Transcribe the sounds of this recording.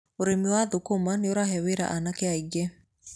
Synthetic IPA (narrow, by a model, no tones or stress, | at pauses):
oɾemiwaðokomaneoɾaɦɛweɾa̰ʔanakɛaiɡɛ